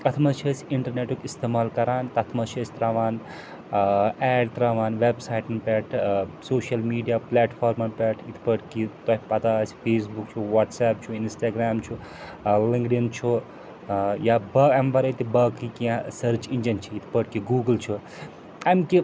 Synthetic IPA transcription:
ɐt̪ʰmɐt͡ʃʰəsʲiɳʈɐɾneʈukʲist̪eːmaːlkɐɾaːnt̪ɐt̪ʰmɐt͡ʃʰiəsʲt̪ɾaːʋaːn | ɛːɖt̪ɾaːʋaːnʋeːbsaːjʈnpʲɛːʈʰsoːʃɐlmiːɖijaːpleːʈpʰaːɾmɐnpʲɛʈʰit̪ʰpəʈʰkit̪ɐpɐt̪aspʰeːsbukt͡ʃʰuʋaʈsaːp̚t͡ʃʰuinsʈaːɡɾaːmt͡ʃʰu | liŋɡɖint͡ʃʰu | jabɐɡɐmbɐɾɐt̪ibɐkikiãsɐɾt͡ʃind͡ʒɐnt͡ʃʰiit̪ʰpəʈkiɡuːɡəlt͡ʃʰu | ɐmki

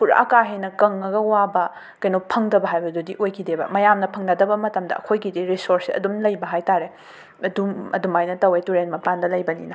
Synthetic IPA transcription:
puɾɐ̰ʔɐ̰kaɦenɐkɐŋːɐɡɐwabɐ | kɐjnopʰɐŋdɐbɐɦajbɐdudiʔojkʰidebɐ̰mɐjamnɐpʰɐŋnɐdɐbɐmɐtɐmdɐ̰ʔɐ̰kʰojɡidiɾisoɾsiɐ̰dumlɐjbɐɦajtaɾe | ɐdumɐ̰dumajnɐtɐwetuɾenmɐpandɐlɐjbɐnḭnɐ

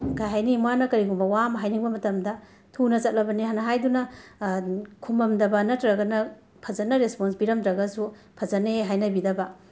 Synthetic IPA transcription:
ɡajɦajnimwanɐkɐɾiɡumbɐwamɐɦajniŋbɐmɐtɐmdɐ | tʰunɐt͡ʃɐt̚lɐbɐniɦanɐɦajdunɐ | kʰumɐmdɐbɐnɐtɾɐɡɐnɐ | pʰɐzɐnɐɾesponsbiɾɐmdɾɐɡɐsu | pʰɐd͡ʒɐneɦajnɐbidɐbɐ

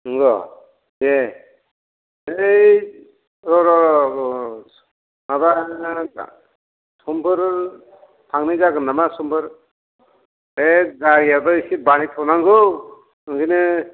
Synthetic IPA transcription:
ɯŋɡɔ | je | ej | ɾɔɾɔɾɔ | maba̰ | sɔmbɯɾ | tʰaŋnɯzaɡɯnamasɔmbɯɾ | ezaɡijadɔsibanit̪ʰɔwnaŋɡɯ | ɯŋɡinɯ

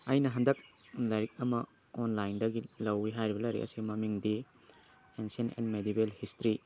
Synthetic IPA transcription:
ɐjnɐɦɐndɐk̚lajɾik̚ɐmɐ | onlajndɐɡilɐwːiɦajɾibɐlɐjɾḭʔɐ̰siɡimɐmiŋdi | ensienḛnmedibelhistɾi

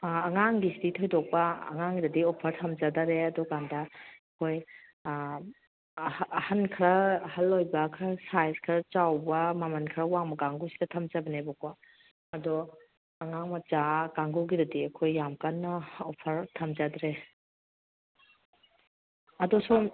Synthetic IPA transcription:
ɐŋaŋɡisiditʰojdɔk̚pɐɐ̰ŋaŋɡidɐdiɔpʰɐɾtʰɐmzadaɾeɐdɔɡandɐɐkʰoj | hɐnkʰɾɐhɐlːojbɐkʰɾɐsajskʰɾɐt͡ʃawbɐmɐmɐnkʰɾɐwaŋmɐɡaŋɡusidɐtʰɐmd͡ʒabɐnebɔkwa | ɐdɔ | ɐŋaŋmɐd͡ʒaɡaŋɡuɡidɐdiɐkʰojːamkanːɐɔpʰɐɾtʰɐmzadɾe | ɐdɔsu

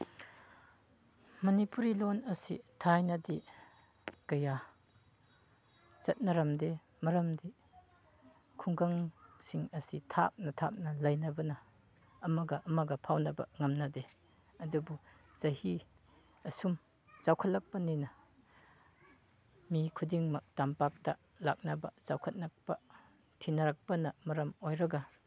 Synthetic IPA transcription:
mɐnipuɾilonɐsḭtʰajnɐdi | kɐja | zɐt̚nɐɾɐmde | mɐɾɐmdi | kʰuŋɡɐŋsiŋɐsitʰa̰p̚nɐtʰa̰p̚nɐlɐjnɐbɐnɐː | mɐɡɐʔɐmɐɡɐpʰawnɐbɐ̰ŋɐmnɐde | ɐdubuzɐhi | ɐsum | zawkʰɐt̚lɐk̚pɐninɐ | mikʰudiŋmɐk̚tampak̚tɐ | lak̚nɐbɐ̰zawkʰɐt̚nɐk̚pɐ | tʰinɐɾak̚pɐnɐmɐɾɐmojɾɐɡɐ

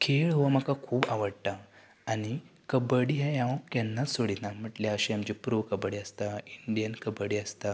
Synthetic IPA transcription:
kʰeɭɦʋam̤akakʰuːbaʋəɽʈ̪a | añi | kəbəɽiɦãjãʋkjanːat͡ssoɽinam̤əʈljaəɕiamd͡ʑipɾoʋkəbəɽiəst̪aiɳɖijənkəbəɽiəst̪a

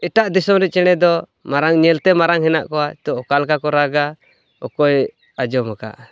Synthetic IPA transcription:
ɛʈaʔd̪isɔmɾɛc̪̚t͡ʃɛɽ̃ɛd̪ɔ | maɾaŋɲɛlt̪ɛmaɾaŋɦɛnaʔkɔat̪ɔʔɔkalkakɔɾaɡa | ɔ̰kɔj | ad͡ʒɔmaka̰ʔ

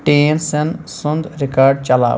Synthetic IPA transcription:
ʈeːnsɐnsʊnd̪ɾɪkaːɾɖt͡ʃɐla̰ː

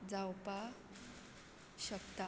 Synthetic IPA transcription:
d͡zawpa | ɕəkt̪a

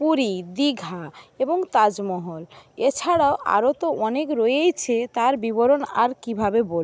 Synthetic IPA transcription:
puɾid̪iɡʱaeboŋt̪ad͡ʑmɔɦolet͡ɕʰaɽaoʔa̰ɾot̪oɔnekɾoejt͡ɕʰet̪aɾbiboɾona̰ɾkibʱabebol

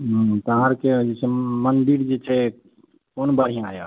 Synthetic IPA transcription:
ɦt̪əɦãɾked͡ʒet͡ʃʰɛmənd̪iɽd͡ʒet͡ʃʰɛ | konbəɽ̤ijãaja̰

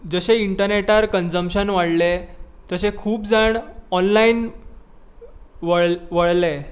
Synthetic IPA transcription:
d͡zəɕeiɳʈəɾneʈaɾkənd͡zəmɕənʋaɽle | t̪əɕekʰuːpd͡zaɳɔnlaiːn | ʋəɭʋəɭle

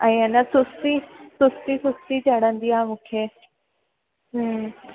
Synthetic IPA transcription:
ɛ̃ːɐnəsʊst̪isʊst̪isʊst̪it͡ɕɐɽ̤ə̃nd̪iaːmũːkʰeː | ɦ

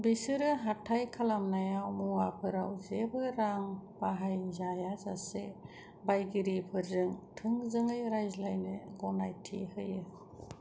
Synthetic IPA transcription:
bisɯɾɯɦatʰajkʰalamnajawmuwapʰɯɾawzebɯɾaŋbaɦajzajazase | bajɡiɾipʰɯɾzɯŋtʰɯŋzɯŋɯjɾajzlajnɯɡɔnajtʰḭhɯjɯ

